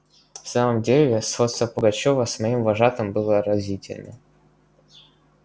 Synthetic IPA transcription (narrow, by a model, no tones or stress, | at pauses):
fsaməmdʲelʲɪsot̪st̪vəpəɡɐt͡ɕovəsmɐimvɐʐat̪əmbɨlˠəɾɐzʲitʲɪ̰lʲnə̰